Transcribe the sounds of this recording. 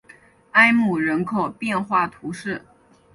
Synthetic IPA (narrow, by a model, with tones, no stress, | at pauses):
a˥ɪmu˨˩ɻə˧˥nkʰɤ˨˩pjɛ˥˧nxwa˥˩t̪ʰu˧˥ʂɻ̩˥˩